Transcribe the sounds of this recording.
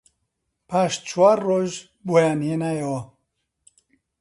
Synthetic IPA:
pʰaʃt͡ʃʰwarːoʒ | bojanjenajawa

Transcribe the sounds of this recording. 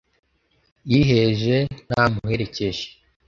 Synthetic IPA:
jiɦeʒen̥amuhe̞ɾe̞ce̞ʒe̥

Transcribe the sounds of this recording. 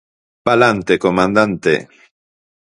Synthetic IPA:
palant̪ekomãnd̪ant̪ḛ

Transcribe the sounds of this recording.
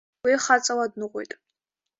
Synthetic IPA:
ejχat͡sʼɐwadnɨʁʷo̰jtʼ

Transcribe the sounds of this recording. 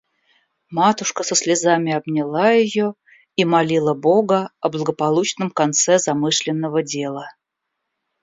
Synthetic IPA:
mat̪ʊʂkəsəsʲlʲɪzamʲɪɐbnʲɪlˠajɪjo̞ | imalʲilˠəbo̞ɡəɐblˠəɡəpɐlˠut͡ɕnəmkant̪sɛzɐmɨʂlʲɪnːəvədʲe̞lˠə

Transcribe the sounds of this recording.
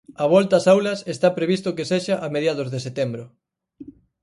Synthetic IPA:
ɐβ̞ɔlt̪ɐasawlɐsest̪apɾeβ̞ist̪ʊkeseʃaʔameðjað̞ʊzðeset̪embɾʊ

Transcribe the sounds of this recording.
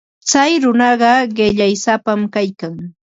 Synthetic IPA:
t͡sajɾʊnɑɢɑɢɪʎajsapamkajkaŋ

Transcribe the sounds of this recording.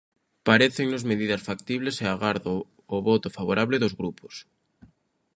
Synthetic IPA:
paɾeθeŋnozmeðiðɐsfak̚t̪iβleseaɣaɾðoː | βɔt̪ʊfaβoɾʔaβlɪðozɣɾupo̥s

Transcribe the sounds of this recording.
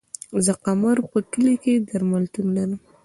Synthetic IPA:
zaqamaɾpəʈəleked̪aɾmalt̪unlaɾəm

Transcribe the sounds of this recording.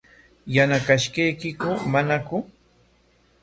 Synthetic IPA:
janakaʃkajkɪkʊmanakʊ

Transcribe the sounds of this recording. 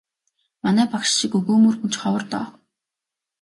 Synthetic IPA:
manæːpakʃʃikɵɣoːmurxunt͡ɕχɔwə̆rt̪ɔ̰ː

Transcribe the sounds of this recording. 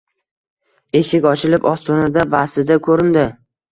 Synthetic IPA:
e̞ʃɪkʲɒt͡ʃʰɪlɪpɒst̪ʰɒnɪd̪abasɪd̪akʰɵɾɪnd̪ɪ

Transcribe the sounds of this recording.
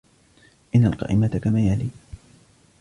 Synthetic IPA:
ʔɪnːalqɑ̰ːʔɪmat̪akamaːjaliː

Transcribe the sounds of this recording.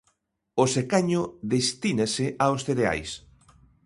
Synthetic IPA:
osekaɲoðest̪inaseʔaosθeɾea̰js

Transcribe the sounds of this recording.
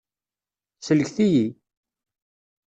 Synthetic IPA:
sələçθiji

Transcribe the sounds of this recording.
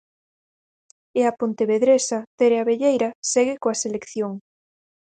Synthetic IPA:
eɐpont̪eβeðɾesɐt̪eɾeaβeʎejɾɐsɛɣɪkoaselekθjoŋ

